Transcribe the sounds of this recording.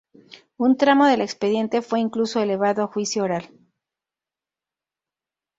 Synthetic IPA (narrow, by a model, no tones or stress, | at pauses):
unt̪ɾamo̞ðe̞le̞kspeðje̞nt̪e̞fwe̞iŋkluso̞e̞le̞β̞aðo̞xwisjooɾal